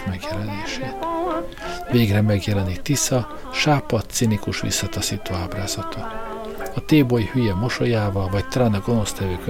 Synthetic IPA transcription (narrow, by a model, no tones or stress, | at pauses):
mɛɡjɛlɛneːʃeːt̪ | veːɡrɛmɛɡjɛlɛnit̪ːisɒ | ʃaːpɒt̪ːsinikuʃʋḭsːɒt̪ɒsiːt̪oːaːbraːzɒt̪ʰɒ | ɒt̪eːbojhyjɛmo̞ʃo̞jaːvɒlvɒct̪ɒlaːnɒɡo̞no̞st̪ɛvøːkø